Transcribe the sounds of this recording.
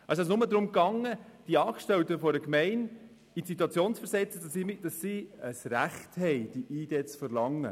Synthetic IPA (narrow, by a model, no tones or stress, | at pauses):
ʔɑsɛsnʊməd̪ɾʊmkɑŋːəd̥iəɑːkʃtɛwtəfɔdəkmɛɪn | itsituɑt͡sjoːnsfəɾsɛt͡səd̥ɑsimid̥ɑsiəsɾæχthɛɪd̥iʔiːd̥eːt͡sfəɾlɑŋːə̰